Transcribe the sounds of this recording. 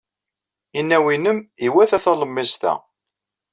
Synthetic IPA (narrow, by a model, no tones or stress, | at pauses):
inːæwinəmiwæθæθɑləmːɪst̪æ̰